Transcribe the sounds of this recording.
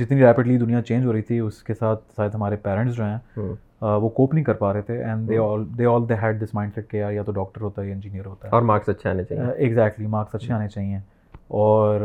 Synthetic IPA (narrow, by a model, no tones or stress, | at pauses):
d͡ʒɪt̪nĩːɾɛːpɪɖlid̪ʊnijãt͡ʃẽːnd͡ʒɦoːɾəit̪ʰiʊskesaːt̪̚ʰsaːɪd̪ɦɐmaːɾepɛːɾə̃ɳʈsd͡ʒoːɦɛ̃ː | ʋoːkoːpnĩːkəɾpaːɾəɦet̪ʰeʔɛ̃ːɳɖd̪eːɔːld̪eːɔːld̪eɦɛːɖ̚d̪ɪsmaːɪ̃ɳsɛʈ̚kejaːjaːt̪oɖɔːk̚ʈəɾɦoːt̪aɛjɪ̃nd͡ʒiːnijəɾɦoːt̪aɦɛːɔːɾmaːksɐtːʃʰea̰ːnet͡ʃa̰ːɪɡzɛːk̚ʈlimaːɾksɐtːʃʰeaːnet͡ʃaːɦiɛ̃ː | ɔːɾ